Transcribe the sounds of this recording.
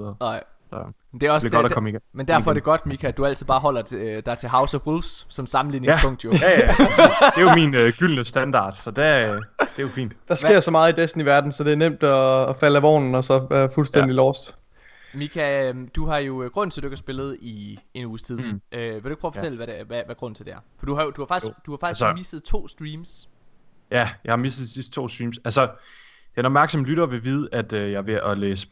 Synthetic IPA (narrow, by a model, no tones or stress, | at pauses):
nɑɪ̰mnd̥eæɒsɡɔɾkɒmiɡmend̥æɐfɒ̽æɐd̥e̝ɡ̥ɒ̽d̥mikʰæd̥uæl̰t͡sʰiðˠbɑ̈ːɦɒ̽l̰ɐd̥ɑ̈t͡sʰe̝ɦɑ̈ʊsɒfulfsːɒ̽msɑ̈mn̩liːneŋspʰɔ̽ŋ̰d̥jojæjæd̥e̝jominøɡ̥yl̰nəsd̥ænd̥ɑ̰̈ːd̥sɒ̽d̥æd̥e̝jofḭːnd̥d̥ɑ̈sɡ̥e̝ɐ̰sɒ̽mɑ̈ːð̩ˠidesd̥n̩iʋæɐd̥n̩sɒ̽d̥e̝æɐnem̰d̥ɒːfælæʋɒ̰ːnn̩ɒ̽sɒ̽ʋæɐfulsd̥en̰d̥ilɒːsd̥ | mikʰæd̥uɦɑ̈jo̝ɡ̥ʁɔ̽n̰nt͡sʰe̝ld̥ueɡ̥ʰhɐsb̥e̝lð̞̩ˠie̝nuːst͡sʰiðˠʔøʋeueɡ̚pʰɔft͡sel̩ʋædeʋæʋæɡ̥ʁɔ̽n̰n̩t͡sʰe̝ldeæɐfɒ̽d̥uhɑ̈jod̥uhɑ̈fɑɡ̥iɡ̥d̥uhɑ̈fɡ̥isə̥misd̥ð̩ˠt͡sʰo̝̰ːsd̥ʁiːms | jæjɑ̈ɪhɑ̈misdð̩dˠisisd̥t͡sʰo̝̰ːsd̥ʁiːmsælsɐd̥eænɒbmæɐɡ̥sɒ̽mlyɾɐʋe̝ʋiːð̞ˠæd̥øjɑ̈ɪʋe̝ʔɒleːsə̥